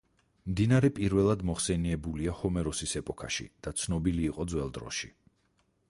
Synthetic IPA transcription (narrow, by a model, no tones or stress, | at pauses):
md̪inaɾɛpʼiɾvɛlˠad̪mɔχsɛniɛbuliahɔmɛɾɔsisɛpʼɔkʰa̰ʃḭd̪̥at̪sʰnɔbiliːqʼɔd̪zwɛlˠd̪ɾɔ̰ʃḭ